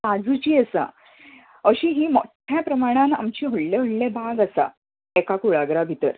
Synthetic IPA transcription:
ad͡zut͡ɕiːəsa̰ | əɕiːɦiːmoʈʰjapɾəmaɽ̃ãna̰mt͡ɕiːɦoɽleɦoɽlebʱaɡasa̰ | ekakuɭaɡɾabʱit̪əɾ

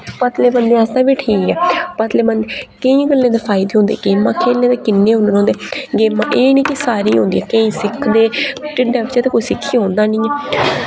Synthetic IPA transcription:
pət̪leːbənd̪eːasd̪ãːʋiːʈʰiːkɛːpət̪leːbənd̪ekəĩːɡəlːẽːd̪eːfʰaːɪd̪eːɦõːnd̪ḛːɡeːmãːkʰeːlːẽːd̪eːkɪnːẽːɦõnd̪ːɦõːnd̪eːɡeːmːãːʔeːnĩːkɪsaːɾiːɦond̪iːɛːkəĩːsɪkʰːd̪eːʈɪɖɛːpt͡ʃaːt̪eːkoːiːsɪkʰːiːɦõːnd̪aːnɪĩːɛː

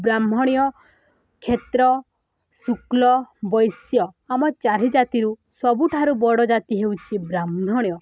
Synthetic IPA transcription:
bɾam̤ʱɔɽ̃ijɔ | kʰet̪ɾɔ | suklɔbɔjsjɔamɔt͡ʃaɾid͡ʒat̪iɾu | sɔbuʈʰaɾubɔɽɔd͡ʒat̪iɦewt͡ʃʰibɾamʱɔɽ̃jɔ

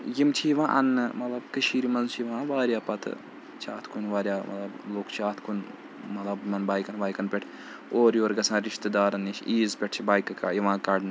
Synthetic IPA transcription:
jimt͡ʃʰiʋãːʔɐnːɨmɐt̪lɐbkɐʃʰiːɾimɐnt͡ʃʰiʋãːʋaːɾʲjaːpɐt̪ | t͡ʃʰaːt̪ʰkʰunʋaːɾjaːmʔɐ̰t̪lɐbloːkt͡ʃʰaːt̪ʰkʰun | mɐt̪lɐbmɐnbaːjkɐnʋaːjkɐnpʲeʈʰ | oːɾjoːɾɡɐsʰãːɾiʃt̪ɨd̪aːɾɐnːit͡ʃʰiːzpʲeʈ̚ʰt͡ʃʰibaːjkɐka̰ːjiʋãːkɐɖn

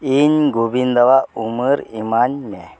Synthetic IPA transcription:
inɡobind̪aʋauməɾimanme

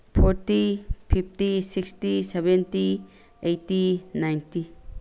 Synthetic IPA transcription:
pʰoɾtipʰip̚ʰtisikstisebenti | ejtinajnti

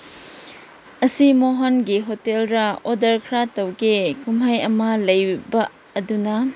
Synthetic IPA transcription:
ɐsimoɦonɡiɦotelɾɐodɐɾkʰɾatɐwɡikumɦajɐmɐlɐjbɐː | dunɐ

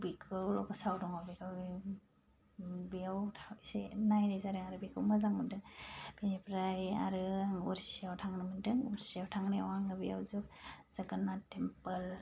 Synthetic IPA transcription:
bikʰɯwlɔ̰bɔsawdɔŋabikʰɯw | bijawtʰaisenajnajzaɾɯŋaɾɯbikʰɯwmɯzaŋmɯndɯŋbenipɾaja̰ɾɯŋuɾsiawtʰaŋnɯmɯndɯŋuɾsiawtʰaŋnewaŋɯbia̰wzuk̚z̥aɡanatempəl

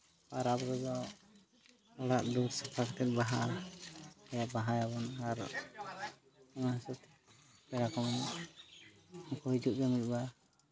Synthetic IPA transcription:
aɾabɾɔd̪ɔ | ɔɽaʔd̪uɾsapʰaɾt̪ɛt̪̚baɦa | ɛjaʔbaɦajabɔnaɾ | ɔnasɛt̪ | pɛɾakɔmɛn | kɔɦid͡ʒuʔd̪ɔmic̪̚ˀba

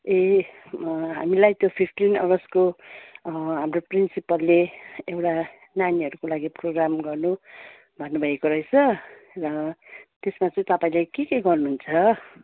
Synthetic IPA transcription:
e | ɦa̰milajt̪jopʰipʰʈinʌ̰ɾʌsko | ɦamroprinsipʌlːeewʈa | naniɦʌɾukolaɡiproɡramɡʌrnu | bʱʌnːubʱʌekoɾʌet͡sʰʌ | rʌt̪esmat͡sʌ̃ĩt̪ʌpaĩlekekeɡʌrnuɦunt͡sʰʌ

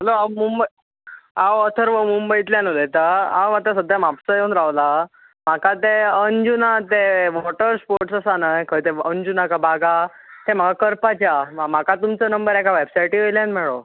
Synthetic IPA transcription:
ɦəloawmumbəj | awət̪ʰəɾʋəmumbəjt̪ljanolet̪aa̰wʋat̪asəd̪ʱjamapsəjeunɾaʋla | m̤akat̪eənd͡ʑunat̪eʋɔʈəɾspoɾʈsəsanajkʰət̪eənd͡ʑunakabʱaɡa | t̪em̤akakəɾpat͡ɕjamam̤akat̪umt͡sənəmbəɾɛkaʋebsajʈiʋəjljanmɛɭo

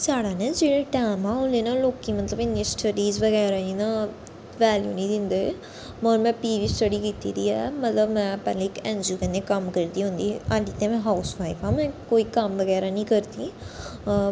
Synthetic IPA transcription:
saːɽaːned͡ʒɪɽẽʈaːmãʊ̃nleːnãloːkimɐt̪ləbɪnjãsʈəɖiːzʋɐɡɛːɾainã | ʋɛːljṵːnĩd̪ɪ̃nd̪e | moːɾmɛ̃piːʋiːsʈəɽikit̪ḭɾiːɛːmɐt̪ləbmɛ̃pɛ̰ːlẽɪkɛ̃ːnd͡ʒukɐnːekɐmkəɾt̪iːɦõːnd̪iːaɖit̪ẽmɛ̃ːɦaʊsaːjkãmɛ̃ːkoːikɐmʋɐɡɛːɾanĩːkəɾt̪iː

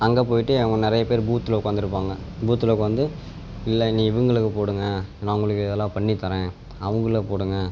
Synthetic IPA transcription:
ɐŋɡeːpoːjɪʈːɯɛʋɐŋɡɐnɪɾɐjɐpeːɾbuːt̪ːɯloʊkːaːnd̪ɯɾɯpːaːŋɡɐ | buːt̪ːɯlɐkːɯʋɐnd̪ɯ | ɪlːɐnĩːɪʋɐŋɡɐɭɯkːɯpoːɽɯŋɡɐnaːʊŋɡɐɭɯkːɯɪðɛlːãːpɐɳːɪt̪ːɐɾẽː | ɐʋɐŋɡɐɭɯkːɯpoːɽɯŋɡɐ

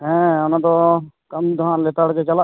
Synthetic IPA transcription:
ɦɛ̃ːʊnãːt̪oːkəmd̪ʊaːnleːt̪aːɽkeːt͡ʃəlaː

